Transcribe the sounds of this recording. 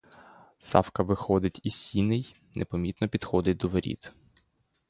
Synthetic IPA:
sɑ̰fkɐʋɪxɔd̪ɪtʲisːʲinɪj | nʔɛpɔmʲit̪nɔpʲid̪xɔd̪ɪt̚ʲd̪ɔʋeɾʲḭd̪

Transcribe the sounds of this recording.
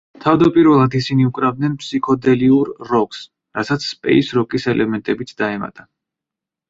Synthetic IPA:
t̪ʰavd̪apʼiɾvɛlˠad̪isiniukʼɾavd̪̚nɛnpʰʼsikʰɔd̪ɛliuɾːɔks | ɾasat̪sʰspʼɛ̰isɾɔkʼisɛlʔɛmɛnt̪ʼɛbit̪sʰd̪aɛma̰t̪ʼa

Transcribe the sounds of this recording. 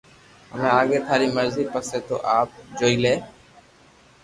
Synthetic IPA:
ə̰mẽːaːɠeːt̪ʰaːɾiːməɾziːpəseːt̪o̰ːʔaːp̚d͡ʒoːiːleː

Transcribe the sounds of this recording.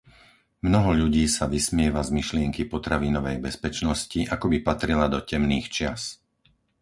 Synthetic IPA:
mnɔɦɔʎuɟiːsaʋismɪɛʋazmiʃlɪɛŋkipɔt̪ɾaʋinɔʋɛjbɛspɛt͡ʃnɔsciʔakɔbipat̪ɾilad̪ɔcɛmniːxt͡ʃɪas

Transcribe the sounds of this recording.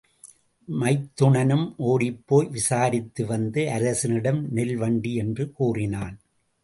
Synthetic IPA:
mɐɪt̪ːʊɳɐnɯmʔoːɽɪpːoːjʋɪsaːɾɪt̪ːɯʋɐnd̪ɯʔɐɾɐsɯnɪɽɐmnɪlʋɐɳɖiɛndrɯkuːrɪnaːn

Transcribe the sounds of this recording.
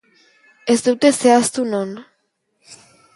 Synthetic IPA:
ezd̪ewt̪eseast̪unon

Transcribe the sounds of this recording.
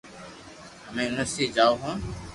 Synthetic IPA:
ɦəmẽːnʊsiːd͡ʒaːoːɦõː

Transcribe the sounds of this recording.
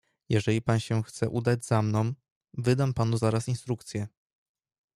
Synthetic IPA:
jɛʐɛlʲipanɕɛxt̪sɛʔud̪ad͡ʑzamnɔ̃w̃ | vɘd̪ampanuzaɾasinst̪ɾukt̪sʲjɛ

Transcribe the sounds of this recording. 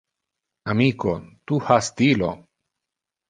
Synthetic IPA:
amikot̪uhast̪ilo̰

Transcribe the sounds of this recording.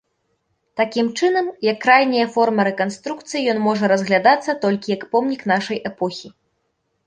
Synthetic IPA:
t̪akʲimt͡ʂɨnɐmjɐkːrajnʲɐjɐfɔrmɐɾɛkanst̪ɾuk̚t̪sɨjijɔnmɔʐɐɾɐzɣlʲad̪at̪sːɐt̪ɔlʲkʲijɐkpɔmnʲiknaʂɐjʔɛpɔxʲi

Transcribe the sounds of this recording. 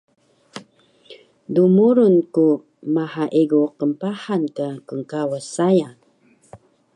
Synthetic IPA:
dumuɾunku | maħaʔiɡuqəmpaħankakəŋkawəsajan

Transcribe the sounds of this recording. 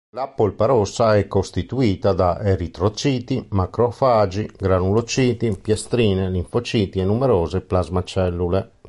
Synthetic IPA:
lapolpaɾɔsːaɛkːost̪it̪uiːt̪ad̪aʔeɾit̪ɾot͡ʃiːt̪imakɾofaːd͡ʒiɡɾanulot͡ʃiːt̪ipjɛst̪ɾiːnɛliɱfot͡ʃiːt̪iɛnːumɛɾɔːzeplazmat͡ʃɛlːule

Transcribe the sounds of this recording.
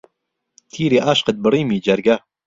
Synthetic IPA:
t̪ʰiːɾeːʔaːʃqət̪̚bɨriːmiːd͡ʒɐɾɡɐ

